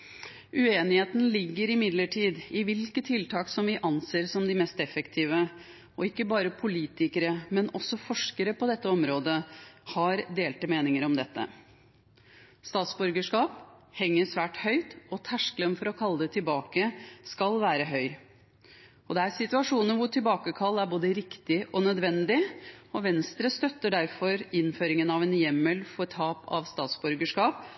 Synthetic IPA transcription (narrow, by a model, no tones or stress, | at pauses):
ʉeːnɪheːt̪n̩lɪɡːəɾɪmɪd̪ləʈʰiːd̪ɪʋɪlkət̪ʰːɪlt̪ʰɑːksɔmʋɪʔɑnseːɾsɔmd̪ɪmɛːst̪ɛfəkt̪ʰiːʋə | ɔɪkːəbɑːɾəpʰʊliːt̪ɪkəɾəmɛnʔɔsɔfɔʂkəɾəpɔd̪ɛt̪ːəɔmɾoːd̪əhɑɾd̪eːlt̪əmeːnɪŋəɾɔmd̪ɛt̪ːə̰ | st̪ɑːt̪sbɔɾɡəʂkɑːphɛŋːəsʋæːʈhœʏt̪ɔt̪ʰæʂklənfɔɾɔkʰɑlːəd̪ɛt̪ʰɪlbɑːkəskɑlʋæːɾəɦœʏ | ɔd̪ɛæɾsɪt̪ʉɑʂuːnənʋʊʈʰɪlbɑːkəkʰɑlːæɾboːd̪əɾɪkt̪ɪʔɔnœd̪ʋɛnd̪ɪɔʋɛnst̪ɾəst̪œt̪ːəɖæɾfɔɾɪnføːɾɪŋənɑʋɛːnjɛmːəlfɔʈʰɑːpʰɑ̰ʋst̪ɑːt̪sbʉɾɡəʂkɑːp̚